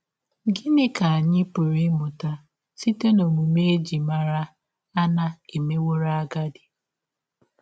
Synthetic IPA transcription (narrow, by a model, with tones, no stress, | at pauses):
ɡɪ˦nɪ˦ka˨a˨ɲɪ˦pʊ˨ɾɪ˦mʊ˨ta˦ | si˦te˦no˨mu˨me˦d͡ʒi˨ma˨ɾa˦ | a˦na˨e˨me˦wo˦ɾa˦ɡa˦dɪ˨